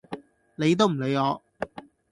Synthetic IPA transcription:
ne˨˧jt̪̬o˥wm̩˨˩le˨˧jɔː˨˧

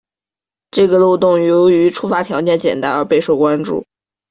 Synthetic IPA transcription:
ʈ͡ʂɤ˥˩ɡə˩lo˥˧ʊt̪ʊ˥˩ŋjo˧˥ʊy˧˥ʈ͡ʂʰu˥fa˧˥t̪ʰjɑ˧˥ʊt͡ɕjɛ˥˩nt͡ɕjɛ̰˨˩nt̪a˥nə˞˧˥pe˥˧ɪʂo˥˩ʊkwa˥nʈ͡ʂṵ˥˩

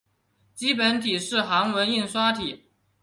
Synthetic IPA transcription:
t͡ɕi˥pə˧˥nt̪ʰi˨˩ʂɻ̩˥˩xa˧˥ŋwə˧˥ni˥˩nswa˥t̪ʰi˨˩˦

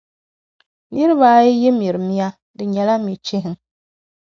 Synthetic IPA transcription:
ni˦ɾɨ˦βaː˦jɛ˦jɛ˦m˨i˨ɾɨ˨mi˦a˦ | dɨ˨ɲɛ˨la˦mi˨t͡ʃɪ˦ɦɪ˨˦ŋ

